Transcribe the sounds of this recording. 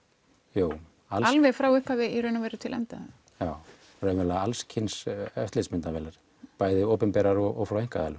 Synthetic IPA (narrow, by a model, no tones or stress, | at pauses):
juːw | alalvɛɣfɾaːwʏhphavɪiɾœnavɛjɾʏt̪ʰɪlʔɛ̰mt̪a | jaːw | rœmɛlaalscʰɪnsœft̪lɪsmɪnt̪avɛːlaɾ̥ | paːjðɪoːwpɛmpɛːɾaɾɔɣʔɔ̰ɣfɾawejŋ̥kaðɛ̰l